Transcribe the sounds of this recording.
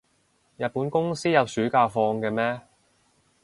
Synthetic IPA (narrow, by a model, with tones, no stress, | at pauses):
jɐ˨t̚puː˨˥nkʊ˥ŋsiː˥jɐ˨p̚syː˨˥kaː˧fɔː˧ŋkɛː˧mɛː˥